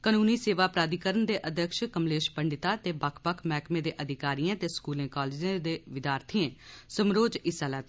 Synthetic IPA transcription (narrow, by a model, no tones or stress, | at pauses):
kənuːniːseːʋaːpɾaːd̪ikəɾənd̪eːʔəd̪ʱəkʃkəmleːʃpəɳɖɪt̪aːt̪eːbəkʰpəkʰmɛːkmẽːd̪eːʔəd̪ʱɪkaːɾijãːt̪eːskuːlẽːkaːleːd͡ʒẽd̪eːʋɪd̪jaːɾt̪ʰiẽːsəmɾoːd͡ʒɪsalat̪